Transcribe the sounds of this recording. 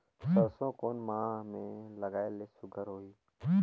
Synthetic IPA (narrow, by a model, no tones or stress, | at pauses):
səɾsõːkoːnmãːmẽləɡaːeleːsʊɡəɾɦoːiː